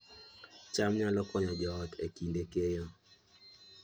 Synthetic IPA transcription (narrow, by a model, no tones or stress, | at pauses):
t͡ʃamɲalɔkwɔɲɔd͡ʒɔɔtekindekejɔ